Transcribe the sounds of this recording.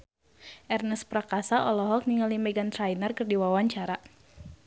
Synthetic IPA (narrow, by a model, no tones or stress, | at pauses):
ʔɛrnəspɾakasaʔɔlɔɦɔk̚niŋalimɛɡant̪ɾajnərkɨrdiwawaɲt͡ʃaɾa